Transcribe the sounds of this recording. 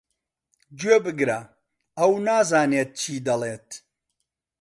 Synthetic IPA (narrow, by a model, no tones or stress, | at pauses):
d͡ʒweːbɨɡɾɐ | ɐwnaːzaːneːt̪̚t͡ʃʰiːd̪ɐleːt̪